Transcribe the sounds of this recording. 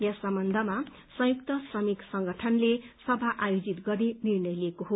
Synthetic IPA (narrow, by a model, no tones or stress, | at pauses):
jasʌmbʌnd̪ʱʌma | sʌ̃juk̚t̪ʌsrʌmiksʌŋɡʌʈʰʌnlesʌbʱaʔajod͡zit̪ɡʌɾinirnʌjliekoɦo